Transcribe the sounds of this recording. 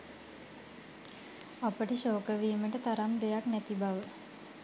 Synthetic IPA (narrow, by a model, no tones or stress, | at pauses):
apəʈəʃoːkəʋiːməʈət̪aɾamd̪ejaknæt̪ibaʋə